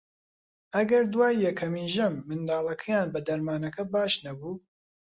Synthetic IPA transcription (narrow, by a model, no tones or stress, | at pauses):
ʔɐɡɐɾd̪waːjːɛkʰɐmiːnʒɐmːɨnd̪aːlˠɐkʰɐjaːnbɐd̪ɐɾmaːnɐkɐbaːʃnɐbuː